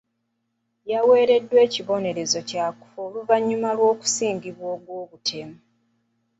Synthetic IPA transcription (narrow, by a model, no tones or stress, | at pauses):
jawe̞ːɾe̞dːwe̞ːciβo̞ne̞ɾe̞zo̞caːku̥foluvaɲːumalwo̞ːku̥siːŋɡiβwoːɡwoːβutʰe̞mu